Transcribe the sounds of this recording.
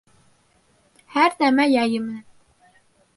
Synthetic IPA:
hæɾnæmæjɑjɤmɘ̆næn

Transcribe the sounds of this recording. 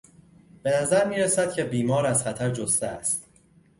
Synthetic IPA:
b̥e̞næzæɾmiːɾesæd̪̥̚cʲʰe̞biːmɒːɾæz̥χæt̪ʰæɾd͡ʒost̪eæst̪

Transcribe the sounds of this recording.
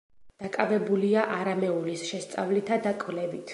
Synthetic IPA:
d̪̥akʼavɛbuliaʔaɾamɛulisʃɛst̪sʼa̰vlit̪ʰad̪akʼvlɛvit̪ʰ

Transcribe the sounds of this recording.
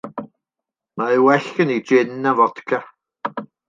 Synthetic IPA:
maewɛɬənid͡ʒɪnːavɔd̥kʰa

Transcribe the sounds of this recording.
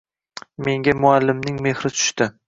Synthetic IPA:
me̞ŋɡʲamʊalːɪmnɪŋme̞hɾɪt͡ʃ̪ʰʊ̥ʃt̪ɪ

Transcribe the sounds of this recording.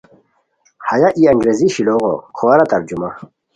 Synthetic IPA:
hɐjaʔiɐŋɡɾeziɕiloːʁo̰kʰowɐɾɐt̪ɐɾd͡ʑuma

